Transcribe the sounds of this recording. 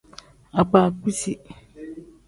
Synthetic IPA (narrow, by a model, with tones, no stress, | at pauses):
a˨k͡paː˨k͡pi˦si˦